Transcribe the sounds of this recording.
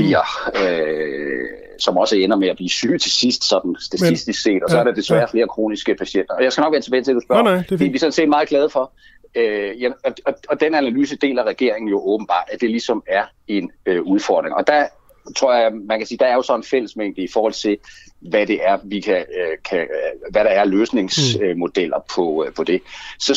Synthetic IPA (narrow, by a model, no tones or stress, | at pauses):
iɐø | sɒ̽mɒ̽səenɐmeæb̥lḭːsy̰ːt͡sʰe̝sisd̥sɒ̽d̥n̩sd̥æt͡sʰisd̥isse̝̰ːd̥ɒsɒæɐɾɑd̥e̝sʋæɐfle̝ːɐkʰʁo̝̰ːnisɡ̥əpʰæɕen̰d̥ɐɒ̽jaɪsɡ̥ænɒ̽ɡ̥ʋæɐt͡sʰebɛːt͡sʰedusb̥ɶɐ̥iʋisɒ̽n̩se̝̰ːd̥mɑ̈ːð̞̩ˠɡlɛð̞ˠfɒ̽ | øjæɒ̽ɒ̽ɒ̽d̥enænælyːsəd̥e̝̰ːlæʁɛɡ̥e̝ɐ̰eŋn̩jo̝ʔɔ̽ːb̥n̩b̥ɑ̰̈ːd̥æd̥e̝lisɒ̽mæɐ | e̝nøuð̞ˠfɒ̰ːd̥ʁeŋɒ̽d̥ɑ | t͡sʰʁo̝ɐ̰jɑmænkʰæsiːd̥ɑ̈æɐjo̝sɒ̽n̩fel̰əsmeŋd̥iifɒːhɒ̽l̰t͡sʰe̝lʋæd̥e̝ʔæɐʋikʰækʰæʋæɾ̥ɑ̈æɐløːsne̝ŋsømo̝d̥el̰ɐpʰɒ̽pʰɒ̽d̥e̝sɒ̽